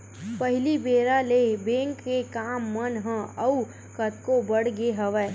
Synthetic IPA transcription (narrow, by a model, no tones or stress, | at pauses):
pəɦɪlibeːɾalebẽːŋkːekaːmːənɦə̃ɐu | kət̪kobəɽɡeɦəʋɛː